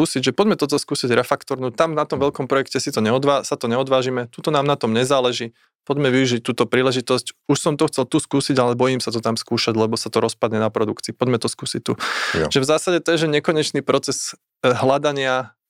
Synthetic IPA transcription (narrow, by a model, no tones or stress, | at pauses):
uːsiɟʒɛpɔɟmɛt̪ɔt̪̬ɔskuːsiɟɾɛfakt̪ɔɾnut̪amnat̪ɔmʋɛʎkɔmpɾɔjɛkcɛsit̪ɔɲɛɔd̪ʋaːsat̪ɔɲɛɔd̪ʋaːʒimɛt̪ut̪ɔnaːmnat̪ɔmɲɛzaːlɛʒiː | pɔɟmɛʋiuʒic̚t̪uːt̪ɔpɾiːlɛʒit̪ɔscuʃsɔmt̪ɔxt͡sɛlt̪uskuːsiɟalɛbɔjimsat̪ɔt̪amskuːʃaɟlɛbɔsat̪ɔɾɔspad̪ɲɛnapɾɔd̪ukt͡siːpɔɟmɛt̪ɔskuːsic̚t̪uʒɛvzaːsaɟɛt̪ɔjɛʒɛɲɛkɔɲɛt͡ʃniːpɾɔt͡sɛz̥ | ɦlad̪aɲɪa